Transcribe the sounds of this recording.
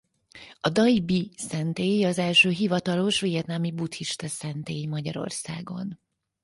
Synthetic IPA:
ɒd̪ɒibisɛnt̪eːjɒzɛlʃøːɦivɒt̪ɒlo̞ʃvijɛt̪naːmibut̪hiʃt̪ɒsɛnt̪eːjmɒɟɒɾo̞̰rsaːɡo̞̰n

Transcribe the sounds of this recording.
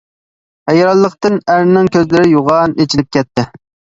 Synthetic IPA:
hɛjɾɑlˠːəqt̪ɨnæɾnɪŋkʲʰøzlɪɾɪjoʁɑnet͡ʃʰilɪp̚kʲɛt̪ʰːɪ

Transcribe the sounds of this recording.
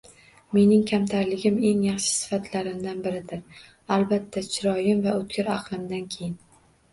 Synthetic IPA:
me̞nɪŋkʲʰamt̪ʰaɾlɪɡʲɪme̞ŋjɑχʃɪ̥sɪ̥fat̪ʰlaɾɪmd̪anbɪɾɪd̪ɪɾ | alˠbat̪ʰːat͡ʃʰɪɾɒjɪmvaɵt̪̚kʲɪɾɑqlˠɪmd̪ankʲʰe̞jɪn

